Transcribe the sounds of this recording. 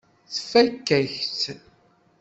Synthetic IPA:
θfækːæçt̪

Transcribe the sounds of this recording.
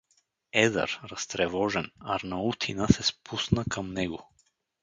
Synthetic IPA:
ɛza̰ɾɾɐst̪ɾɛvɔʒɛnaɾnaut̪ʰinasɛspʰusnakʰamnɛɡo

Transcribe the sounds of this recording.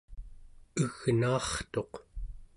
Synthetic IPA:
əɣnaːχt̪o̞q

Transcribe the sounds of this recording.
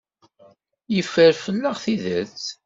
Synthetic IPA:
jəfəɾfənːəʁθiðət͡s

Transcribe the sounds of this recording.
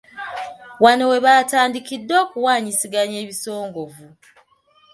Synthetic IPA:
wano̞we̞βaːtaːndikidːo̞ːkuwaːɲisiɡaɲe̞ːβiso̞ːŋɡo̞vu

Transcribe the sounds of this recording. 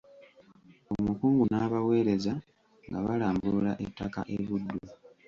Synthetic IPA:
omukuːŋɡunaːβawe̞ːɾe̞za | ŋɡaβalaːmbulaʔetːaka̰ʔeβudːu

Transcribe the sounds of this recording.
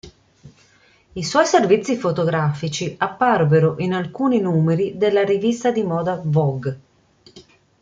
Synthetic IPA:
iswɔjservit̪sːifot̪oɡɾaːfit͡ʃiapːarveɾoʔinalkuːninuːmeɾid̪elːaɾivist̪ad̪imɔːd̪avɔɡ

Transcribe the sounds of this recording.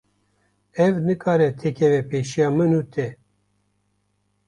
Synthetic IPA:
ɛvnɨkʰɑːɾɛt̪ʰɛkʰɛvɛpeːʃijɑːmɨnuːt̪ʰɛ

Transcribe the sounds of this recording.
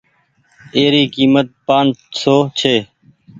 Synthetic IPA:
eːɾiːkiːmət̪̚pãːnsoːt͡ʃʰeː

